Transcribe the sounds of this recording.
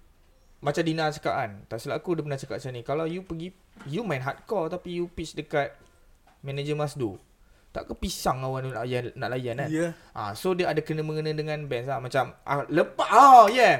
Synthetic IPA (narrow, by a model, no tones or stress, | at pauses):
mat͡ʃamdinat͡ʃḁka̰ʔant̪aʔsəlaʔkudəpənat͡ʃakaʔsanĩkalawjupəɡi | jumãjnɦat̪̚kɔlt̪apijupisdəkat̪̚ | mɛ̃nad͡ʒəmasdṵ | t̪aʔkapisaŋawanunajanna̰ʔlajana | ʔã̰sodiaadakənəməŋənãdəŋãnbɛnslamat͡ʃamʔa̰ləpaajɛ